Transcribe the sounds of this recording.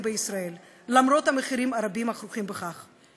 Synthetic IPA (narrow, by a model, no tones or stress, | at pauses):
mbeisɾael | lamɾo̞t̪hameχiɾimaɾabimaχɾuχimbeχaχ